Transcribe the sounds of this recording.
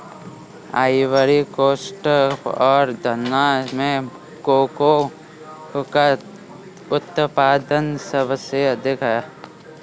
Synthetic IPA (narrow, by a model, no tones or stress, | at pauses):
aːɪʋəɾikoːsʈəpɔːɾd̪ʱənamẽ | koːko | ka | ʊt̪paːd̪ənsəbəsjəd̪ʱɪkʰa